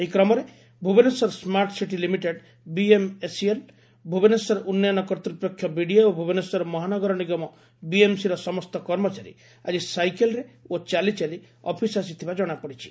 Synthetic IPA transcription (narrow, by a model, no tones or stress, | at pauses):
ejkɾɔmɔɾe | bʱubenesɔɾɔsmaɾʈsiʈilimiʈeɖ | biemesiel | bʱubenesɔɾɔʔunːjnɔkɔɾt̪ɾupɾɔkʰːjɔmiɽiaobʱubenesɔɾɔmɔɦanɔɡɔɾɔniɡɔmɔ | biemsiɾɔsɔmɔst̪ɔkɔɾmɔt͡ʃaɾḭ | ad͡ʒisajkelɔɾeot͡ʃalit͡ʃali | ɔ̰pʰisasit̪ʰibad͡ʒɔɽ̃apɔɽit͡ʃʰi̥